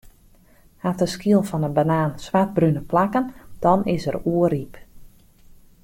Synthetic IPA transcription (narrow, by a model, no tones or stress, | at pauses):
hatəskiəlˠfɔnənbanaːnsʋat̚brynəplakənd̥ɔnɪsəɾuəɾip